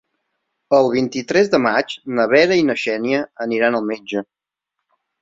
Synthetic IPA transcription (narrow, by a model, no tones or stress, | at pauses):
əlˠβ̞int̪it̪ɾɛzðəmat͡ʃnəβ̞ɛɾəinəʃɛniəəniɾanəlˠmed͡ʒə